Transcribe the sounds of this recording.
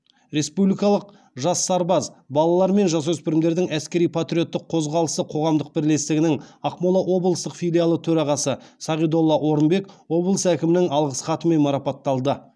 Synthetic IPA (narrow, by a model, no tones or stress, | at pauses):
ɾe̞spublʲijkɑlˠəq | ʒɑsːɑɾbɑzbɑlˠɑlˠɑɾme̞nʒɑs̬wɵspɪɾɪmd̪e̞ɾd̪ɪŋæskʲe̞ɾijpʰat̪ɾʲijo̞t̪ːɪqʰo̞zʁɑlˠəsəqʰo̞ʁɑmd̪əq̚bɪɾle̞st̪ɪɡʲɪnɪŋɑqmolˠɑʔwo̞blˠəst̪əqfʲijlʲijalˠət̪ʰɵɾɑʁɑsəsɑʁijd̪o̞lˠːɑʔwo̞ɾənbe̞kwo̞blˠəsækʲɪmɪnɪŋɑlˠʁəsχɑt̪əme̞nmɑɾɑpɑt̪ːɑlˠd̪ə